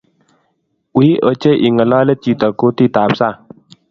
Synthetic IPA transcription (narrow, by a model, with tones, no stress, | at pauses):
wi˦ʔə˨t͡ʃə˦ʔi˨ŋə˨lɔ˦lə˦t͡ʃi˨t̪ə˨ku˦t̪i˦t̪a˨p̚sa˦